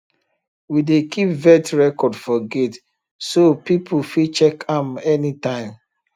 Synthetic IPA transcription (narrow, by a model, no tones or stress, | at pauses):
widekʰipvɛtɹɛkɔdfɔɡet | sopipʰufit͡ʃɛkãmɛnitãɪ̃m